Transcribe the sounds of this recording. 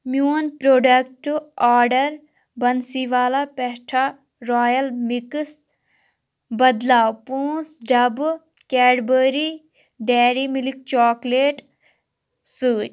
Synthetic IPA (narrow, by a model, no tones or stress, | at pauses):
mjuːnpɾoːɖɐk̚ʈaːɾɖəɾ | bɐnsiʋaːlapɛɦʈʰa | ɾaːjɐlmiks | bɐd̪laːwpũːsɖɐb | kɛːɖbəːɾi | ɖɛːɾimilik̚t͡ʃɔːkleːʈ | sɨː